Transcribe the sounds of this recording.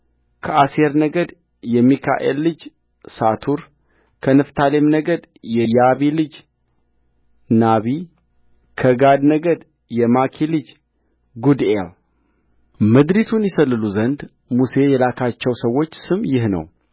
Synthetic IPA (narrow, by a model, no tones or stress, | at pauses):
kʰəʔaseɾnəɡəd̪ | jɛmikʰa̰ʔe̞̰lːɨd͡ʒ | sat̪ʰuɾ | kʰənɨft̪ʰalemnəɡəd̪ | jɛjaβilɨd͡ʒ | naβi | kʰəɡad̪nəɡəd̪ | jɛmakʰilɨd͡ʒ | ɡud̪el | mɨd̪ɾit̪ʰunjɪsəlːɨluzənd̪ | muse̞jɛlakʰat͡ʃːɛwsəwːo̞t͡ʃːsɨmjɪhnə̰w